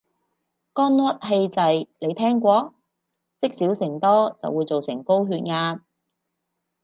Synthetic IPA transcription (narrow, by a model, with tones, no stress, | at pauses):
kɔː˥nlɔː˥t̚ɦe˧jt͡sɐ˨jle˨˧jt̪ʰɛː˥ŋkʷɔː˧˥ | t͡sɪ˥k̚siː˨˥wsɪ˨˩ŋt̪ɔː˥t͡sɐ̰˨wːuː˨˧jt͡so˨wsɪ˨˩ŋko˥wɦyː˧t̚ŋaː˧n